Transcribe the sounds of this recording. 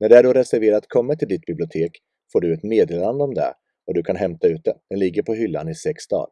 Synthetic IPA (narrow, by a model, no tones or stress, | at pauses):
næɖɛæɖoɾɛsæɾveːɾat̪kʰɔmːat̪ʰɪld̪ɪt̪̚bɪblɪʊt̪ʰeːk | foːɖɵɛt̪meːd̪eːland̪əɔmd̪ɛ̰ | ɔd̪ɵkʰanɦɛmt̪aʉ̟ːt̪̚d̪ɛd̪̥ɛnlɪɡːəɾpʰɔɦʏlːa̰nɪsɛksd̪ɑ̰ːl